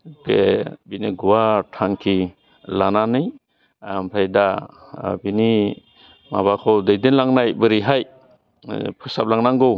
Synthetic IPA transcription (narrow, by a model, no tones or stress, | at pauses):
bḛbiniɡuwatʰaŋkʰi | lananɯj | mpʰajda | bini | ma̰βakʰɔwdɯjdinlaŋnajbɯɾiɦaj | pʰɯsap̚laŋnaŋɡɯw